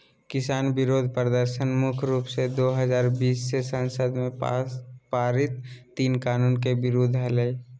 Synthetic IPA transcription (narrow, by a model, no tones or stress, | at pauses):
kɪsaːnbɪɾoːd̪ʱpəɾd̪əɾʃənmʊkʰɾuːpsed̪oːɦəzaːɾbiːsːesə̃nsəd̪mẽ | paːɾɪt̪̚ː | iːnkaːnuːnkebɪɾoːd̪ʱɦɛle